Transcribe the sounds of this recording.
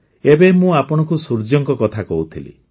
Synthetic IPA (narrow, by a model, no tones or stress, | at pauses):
ebemũapɔɽ̃ɔ̃kusuɾd͡ʒɔŋkɔkɔt̪ʰakɔɦut̪ʰilḭ